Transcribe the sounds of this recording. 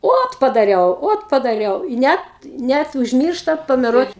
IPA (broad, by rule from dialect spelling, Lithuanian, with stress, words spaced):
ˈoːt pɐdɐˈrʲɛʊ ˈoːt pɐdɐˈrʲɛʊ ɪ ˈnʲɛt ˈnʲæt ʊʒʲˈmʲiːrʃtɐ pɐmʲɛˈruɔt